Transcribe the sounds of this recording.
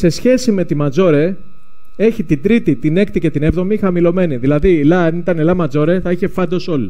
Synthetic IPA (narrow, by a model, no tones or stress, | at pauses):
se̞sçe̞sime̞t̪imɐzo̞ɾe̞ | e̞çit̪ind̪ɾit̪it̪ine̞kt̪ice̞t̪ine̞vðo̞mixɐmilo̞me̞niðilɐðilɐɐnit̪ɐnelɐmɐd͡zo̞ɾe̞θɐiçe̞fɐnd̪o̞so̞li